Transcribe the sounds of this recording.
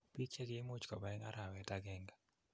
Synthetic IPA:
pi˦t͡ʃe˦lje˦mu˦t͡ʃkɔ˨ba˨ɛ˦ŋa̰˦ɾa˨wɛ˨ta˦ɡɛ˨ŋɡa˨

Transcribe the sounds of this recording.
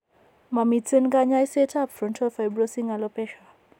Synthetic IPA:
ma˨mi˨tt͡se˦nka˦ɲa˦i˦sɛ˦tʰa˦˨pfɾɔ˨ntʰɔfa˨jbɾɔsi˦ŋa˨lɔpɛ˦ʃa˨

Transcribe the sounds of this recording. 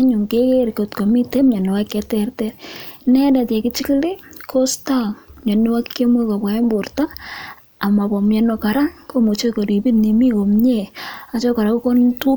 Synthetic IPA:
aɲʊ˨ŋkeke˦ɾko˨tko˨mi˦te˦mɲa˨nɪ˨wa˦kːɛ˦tɛrtɛɾnɛ˦da˨tja˨kɪt͡ʃɪ˦kli˦kʰo˦stamɲa˨nɪ˦wa˦kːe˦mwe˦ka˨pwa˨e˦mbʊ˨ɾta˦ | a˨ma˨pɔ˨mjɛ˨noka˨ɾa˦ŋko˦mo˨t͡ʃo˦ko˨ɾi˨bi˦nni˨mi˦ko˨mɲea˨t͡ʃɔ˦ka˨ɾa˨ku˦ko˦ntu˦

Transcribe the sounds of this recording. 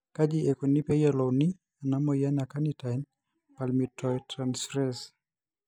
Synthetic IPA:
ka˦d͡ʒiɛ˨ko˨ni˦pɛ˦jɛlɔ˨wni˦ | a˨na˦mɔja˦na˨ka˦nitajn | palmitɔjtɾansfɾɛs

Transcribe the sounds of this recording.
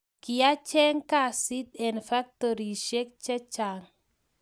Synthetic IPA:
ki˨ja˦t͡ʃɛ˦ŋka˦˨si˦t̪ɛ˨nfa˦k̚t̪o˨ɾi˨ʃɛ˦k̚t͡ʃɛ˦t͡ʃa˨ŋ

